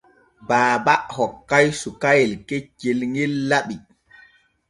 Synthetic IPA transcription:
baːbaʔhɔkːajsukajilket͡ʃːilŋilːaɓi

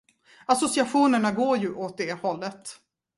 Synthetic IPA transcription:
asʊsɪaɧuːnəɳaɡoːɾjɵʔoːt̪̚d̪ɛhɔlːət̪

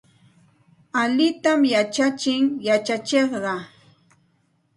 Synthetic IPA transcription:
aʎɪt̪amjat͡ʃat͡ʃɪŋjat͡ʃat͡ʃeχɢɑ

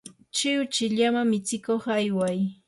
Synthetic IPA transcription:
t͡ʃɪwʊt͡ʃɪʎamamɪt͡sɪkoχajwaj

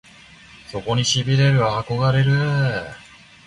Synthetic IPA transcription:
so̞ko̞ɲ̟iɕibʲiɾe̞ɾɯ̟ːko̞ɡaɾe̞ɾɯ̟

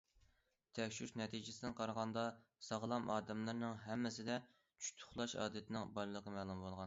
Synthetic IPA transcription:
t̪ʰɛkʲʃyfnɛt̪ʰid͡ʒɪsɪd̪ɪnqʰɑɾʁɑnd̪ɑsɑʁlˠɑmʔɑːd̪ɛmlˠɨɾnɨŋɦɛmːɪsɪd̪ɛ | t͡ʃʰy̥t̪ʰʊ̥χlˠɑʃɑ̰ːd̪ɛt̪ʰɪnɨŋbɑɾɨlˠəqəmɛːlˠumbolˠʁɑn

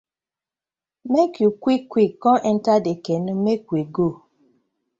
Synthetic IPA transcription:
mekjukʷikːʷikːɔ̃ʔɛn̩tadekenũmekʷiɡo

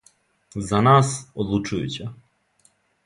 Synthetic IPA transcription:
zɐnɑsɔd̪lˠut͡ʃʊjʊ̰t͡sʲɐ

